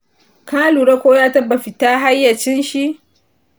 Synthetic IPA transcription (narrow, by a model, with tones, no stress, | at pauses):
kaː˦luː˨ɽa˦kʷoː˦jaː˦tɐ˦bːa˨ɸɪ˨taː˦ɦa˦jːɐ˨t͡ʃɪ˦nʃi˦ʔ